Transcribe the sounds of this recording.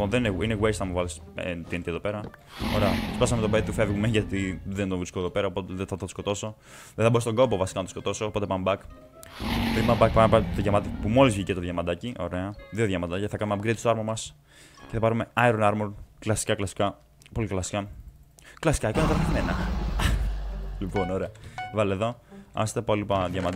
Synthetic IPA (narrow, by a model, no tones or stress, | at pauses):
onðenineineɣweɾst̪nɐmuvɐlis | t̪ient̪ie̞ðo̞pe̞ɾɐoɾe̞ɐt̪spɐs̬ɐmet̪obet̪t̪ːufe̞vɣumeʝɐt̪iðend̪ovɾiskoeðo̞pe̞ɾɐopo̞t̪eðeθɐt̪t̪o̥sko̞t̪o̞so | ðeθɐboɾistoŋɡobovɐsi̥kɐnɐt̪osko̞t̪o̞so̞ːpo̞t̪e̞pɐmbɐk | pt̪ipɐmbɐkpɐmpɐt̪oʝɐmɐt̪ipumo̞lizvʝicet̪oðʝɐmɐd̪ɐciʔo̞̰ɾe̞ɐðioðjʝɐmɐd̪ɐcθɐkɐnumeɐpɡɾet̪usoɐɾmomɐs | ceθɐpɐɾume̞ɐeɾonɐɾmonklɐsi̥kɐklɐsi̥kɐ | po̞liklɐsi̥kɐ | klɐsi̥kɐkonɐt̪ɐɾɐeɣme̞nɐ | lipo̞noɾeɐvɐleðo̞ɐ̰st̪epolipɐðʝɐmɐd̪